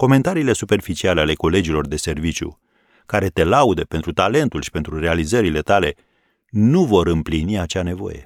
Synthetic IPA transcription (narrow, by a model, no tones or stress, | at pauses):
ko̞me̞nt̪aɾiːle̞supe̞rfit͡ʃialeale̞ko̞le̞d͡ʒilo̞rd̪e̞se̞rvit͡ʃjṵ | kaɾe̞t̪e̞laud̪əpe̞nt̪ɾut̪ale̞nt̪ulʃi̥pe̞nt̪ɾure̞alizəɾile̞t̪ale̞ | nuvo̞ɾɨmpliniat͡ʃane̞vo̞̰je̞̰